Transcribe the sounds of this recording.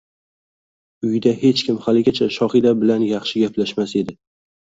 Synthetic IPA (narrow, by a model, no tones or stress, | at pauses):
ʊjɪd̪ahe̞t͡ʃkʲɪmhalɪɡʲat͡ʃʰaʃɒχɪd̪abɪlanjɑχʃɪɡʲapʰlaʃmase̞d̪ɪ